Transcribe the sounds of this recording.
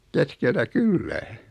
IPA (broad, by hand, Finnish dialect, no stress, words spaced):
keskeltæ kylːæː